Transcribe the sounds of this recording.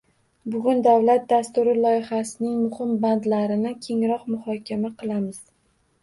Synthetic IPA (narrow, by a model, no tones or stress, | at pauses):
bʊɡʲʊnd̪awlat̪̚d̪ast̪ʊɾɪlˠɒjɪhasɪnɪŋmʊhɪmband̪laɾɪnɪkʲʰe̞ŋɾɒqmʊhɒkʲʰamaqʰɨlˠamɪz̥